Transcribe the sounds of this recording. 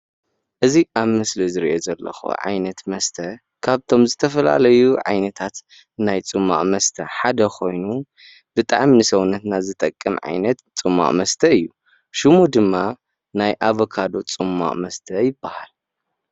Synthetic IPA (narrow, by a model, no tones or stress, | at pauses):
ʔɨziʔaβmɨslizɨɾiʔozɐlːɐ̰xo̰ʕa̰jnɐt̪mɐst̪ʰɐ | kʰaβt̪ʰo̞mzɨt̪ʰɐfɐla̰lɐjuʕa̰jnɐt̪ʰat̪ | najt͡sʼɨmːa̰ʔʼmɐst̪ʰɐħad̪ɐkʰo̞jnu | b̥ɨt̪ʼa̰ʕminɨsɐwunːɐt̪nazɨt̪ʼɐkʼːɨmʕa̰jnɐt̪t͡sʼɨmːa̰ʔʼmɐst̪ʰɐɨjːu | ʃɨmud̪ɨmːa | najʔaβokʰad̪o̞t͡sʼɨmːa̰ʔʼmɐst̪ʰɐjɪbːahal